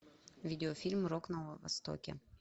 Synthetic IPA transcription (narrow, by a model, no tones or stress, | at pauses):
vʲidʲɪofʲilʲmroknɐvɐ̰st̪o̰kʲḛ